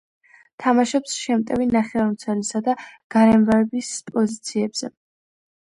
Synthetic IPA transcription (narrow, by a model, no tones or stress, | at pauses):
t̪ʰamaʃɛpsʃɛmt̪ʼɛvinaχɛwaɾmt̪sʰɛlisad̪aɡ̥aɾɛmvaɛbispʼɔzit̪sʰiɛbz̥ɛ̰